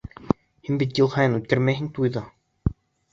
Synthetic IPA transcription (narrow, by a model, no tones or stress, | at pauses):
hinbit̪̬̚jɯlˠhɑjɤnut̪̚kæɾmæɦɘŋt̪ujðɑ